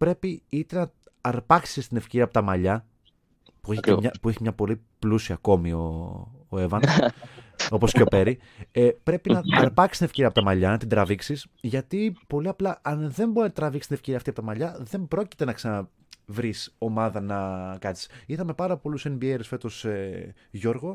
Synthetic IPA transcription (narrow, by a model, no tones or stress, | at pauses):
pɾe̞piit̪e̞nɐ | ɐɾpɐksist̪ine̞fceɾiɐpot̪ɐmɐʎɐ | pueçimɲɐpueçimɲɐpo̞li | plusiɐko̞mio̞ː | e̞vɐn | o̞po̞sceope̞ɾi | epɾe̞pinɐɐɾpɐksi̥st̪inefceɾiɐpot̪ɐmɐʎɐnɐt̪ind̪ɾɐviksis | ʝɐt̪ipo̞liɐplɐʔɐnðe̞mboɾint̪ɾɐvikst̪nefceiɐft̪iɐpot̪ɐmɐʎɐðe̞mbɾo̞ci̥t̪e̞nɐksɐnɐ | vɾiso̞mɐðɐnɐkɐni̥siθɐme̞pɐɾɐpo̞luse̞mbieɾisfe̞t̪o̞se | ʝo̞ɾɣo̞